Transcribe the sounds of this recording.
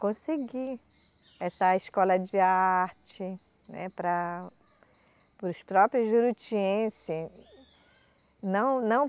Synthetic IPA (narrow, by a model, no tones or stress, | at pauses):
kõseɡi | ɛsɐɪskɔlɐd͡ʒɪaɾt͡ʃɪ | nɛ̰pɾɐ | pɾʊspɾɔpɾjʊzʒuɾut͡ʃiẽsɪ | nɐ̃w̃nɐ̃w̃